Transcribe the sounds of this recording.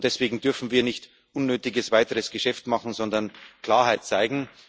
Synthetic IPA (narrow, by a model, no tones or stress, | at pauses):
d̥ɛsv̥eːɡŋ̩dʏɐfn̩viːɐnɪçt | ʔʊnːøːtɪɡəsv̥aɪtəʁəsɡ̥əʃɛftmɑχn̩zɔndɐnkl̥aːɐɦaɪt̚t͡saɪɡŋ̩